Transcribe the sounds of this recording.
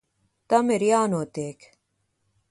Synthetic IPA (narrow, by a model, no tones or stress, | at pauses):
t̪ɐmeɾjaːnoːt̪eːk